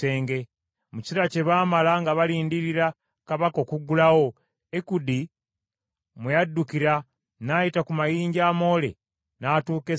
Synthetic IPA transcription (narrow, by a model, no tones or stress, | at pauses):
e̞ːŋɡe̞ | muci̥iɾace̞βaːmalaŋɡaβaliːndiɾiɾa | kaβako̞ːkuɡːulawo̞ | ekudi | mujadːukiɾa | najitakumajiːɲɟaːmo̞ːle̞̰ | naːtuːke̞